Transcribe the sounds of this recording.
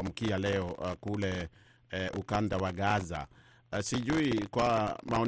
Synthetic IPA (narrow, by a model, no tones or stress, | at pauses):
am̩kialɛɔkulɛ | ʔukandawaɠaza̰ | siʄuikwamaɔ